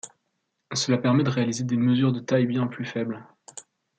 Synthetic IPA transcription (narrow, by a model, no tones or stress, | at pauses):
səlapɛʁmɛd̪əʁealized̪eməzyʁd̪ət̪ajbjɛ̃plyfɛbl